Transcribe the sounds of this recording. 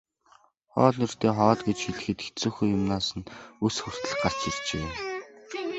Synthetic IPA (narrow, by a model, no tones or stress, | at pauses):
χɔ̰ːɮnɵr̥t̪eːχɔːɮɡet͡ɕxiɮɘ̆xɘ̆t̪exʰt͡sŭːxujʊmnaːsə̆nusxur̥t̪ə̆ɮ̆χɢar̥t͡ɕirt͡ɕeː